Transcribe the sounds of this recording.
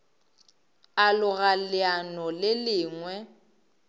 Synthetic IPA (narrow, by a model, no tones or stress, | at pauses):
alʊɣalɪanɔlɪlɪːŋwɛ